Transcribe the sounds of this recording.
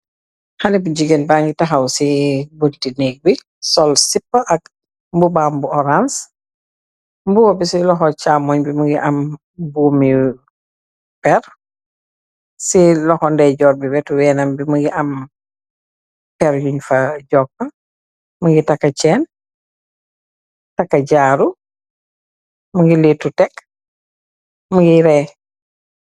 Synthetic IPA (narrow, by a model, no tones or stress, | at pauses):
hanibuɟiɡenbaːŋɡitɐɦɐwsibodtinɛɡ̚bi | sɔlsipːɐʔɐk̚ | mbubaːmbuɔɾans | mbuwɔbisilɔxɔt͡ʃaːmɔɲbimɐɡiʔɐm | buːmi | pɛr | silɔhɔndɛɟɔːɾbibɛtuwɛːnɐmbimuɡiʔɐm | pɛɾjuɲfɐɟɔk̚ːɐ | məɡitɐkːɐt͡ʃɛːn | tɐkːɐɟaːɾu | muɡilitːutɛk | muɡiɾɛ